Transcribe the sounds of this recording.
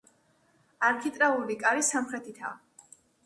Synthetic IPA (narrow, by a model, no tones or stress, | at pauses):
aɾkʰit̪ʼɾaulikʼaɾisamχɾɛt̪ʰit̪ʰa̰